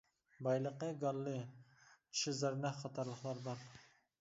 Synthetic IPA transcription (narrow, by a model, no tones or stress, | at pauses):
bɑjlˠəqəɡɑlˠːɨ | t͡ʃʰɪzɑɾnɛχɑt̪ʰɑɾlˠəχlˠɑɾbɑɾ